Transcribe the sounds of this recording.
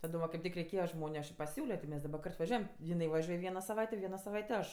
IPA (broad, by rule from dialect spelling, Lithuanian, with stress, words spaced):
tɐˈdoːm ʋɐ kɐɪp ˈtʲɪk rʲɛɪˈkʲeːjɛ ˈʒmoːnʲʊ ɐʃ ɪ pɐˈsʲuːlʲoː tʲɪ ˈmʲɛs dɐˈbɐ ˈkɐrt ʋɐˈʒʲuɔjɛm jɪˈnɐɪ ʋɐˈʒʲuɔj ˈʋʲiɛnɐ sɐˈʋɐɪtʲeː ˈʋʲiɛnɐ sɐˈʋɐɪtʲeː ˈɐʃ